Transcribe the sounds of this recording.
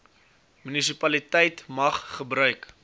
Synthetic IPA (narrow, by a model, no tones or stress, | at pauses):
mynis̬ipɐlitɛjtmɐχχəbɾœɥk